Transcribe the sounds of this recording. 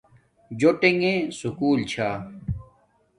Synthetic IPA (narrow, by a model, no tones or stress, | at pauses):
d͡ʑoʈeŋẽsukuːlt͡ɕʰaː